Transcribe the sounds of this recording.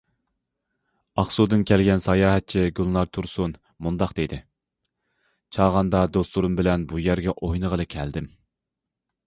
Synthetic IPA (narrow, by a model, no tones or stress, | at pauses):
ɑχsud̪ɨnkʲælɡʲɛnsɑjɑːɦɛt̪̚t͡ʃʰiɡʲylˠlˠɑɾt̪ʰuɾsun | mund̪ɑqd̪̥ed̪ɪ | t͡ʃʰɑːʁɑnd̪ɑd̪ost̪uɾumbɪlɛnbujæɾɡʲɛʔojnəʁəlˠɨkʲʰɛld̪ɪm